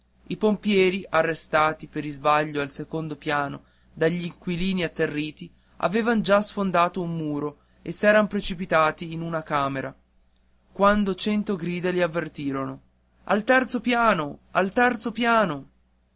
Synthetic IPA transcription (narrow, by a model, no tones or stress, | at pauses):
ipompjɛːɾiʔarːest̪aːt̪ipeɾizbaʎːoalsekond̪opjaːno | d̪aʎːiŋkwiliːniat̪ːerːiːt̪i | a̰veːvand͡ʒasfond̪aːt̪oumːuːɾo | esːɛːɾampɾet͡ʃipit̪aːt̪iːnunakaːmeɾa | kwand̪ot͡ʃɛnt̪oɡɾiːd̪eliavːert̪iːɾono | a̰lt̪ɛrt̪sopjaːnoalt̪ɛrt̪sopjaːno